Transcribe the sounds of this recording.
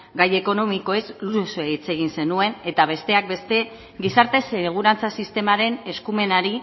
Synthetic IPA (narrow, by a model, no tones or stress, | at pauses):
ɡaje̞ko̞no̞miko̞e̞zlusosoeit͡se̞ɣ̞inse̞nue̞ne̞t̪aβ̞e̞st̪e̞ak̚be̞st̪e̞ | ɡisaɾt̪e̞seɣ̞uɾant͡sasist̪e̞maɾe̞ne̞skume̞naɾi